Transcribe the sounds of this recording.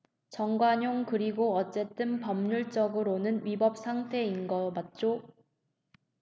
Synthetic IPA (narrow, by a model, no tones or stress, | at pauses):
t͡ɕʌŋɡwaɲoŋkɯɾiɡoʌt͡ɕ͈e̞t͈ɯnpʌmɲuɭt͡ɕ͈ʌɡɯɾonɯnɥibʌp̚sʰaŋtʰe̞inɡʌmat̚t͡ɕ͈o